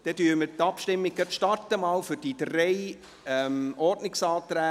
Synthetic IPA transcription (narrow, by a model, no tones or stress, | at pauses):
d̥ɛtyːmət̪ɑpʃtɪmːɪɡ̥̚ɡɑtʃtɑɾtəmɑːlfʏɾd̥id̪rɛɪ | ɛmɔɾdnɪksɑːt̪ɾæː